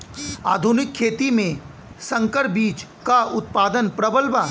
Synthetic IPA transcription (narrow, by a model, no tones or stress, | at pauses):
a̰ːd̪ʱʊnɪkʰːeːt̪imẽ | sɐ̃ŋkəɾbiːt͡ʃkaʊt̪̚paːd̪ənpɾɐbəlʋa